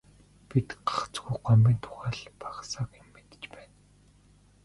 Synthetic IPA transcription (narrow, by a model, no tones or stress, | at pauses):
pit̪ɢḁχt͡sɡujɢɔmʲiːnt̪ʰʊ̥ʁæːɮpʰḁχsaːkemːet̪t͡ɕpæːn